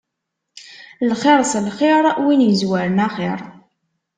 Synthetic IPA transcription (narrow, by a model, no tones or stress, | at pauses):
lχeɾˤslχeɾˤwinjəzwæɾənaχeɾˤ